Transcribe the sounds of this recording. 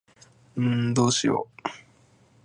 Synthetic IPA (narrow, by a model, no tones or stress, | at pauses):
ɯ̃ɴd̪oːɕḭjo̰